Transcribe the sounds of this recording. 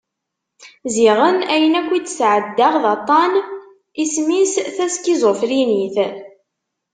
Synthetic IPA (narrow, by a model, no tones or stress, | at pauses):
ziʁənæjənækʷːit͡sːsʕəd̪ːaʁðɑt̪ˤːɑn | ismisθæskizˤofɾiniθ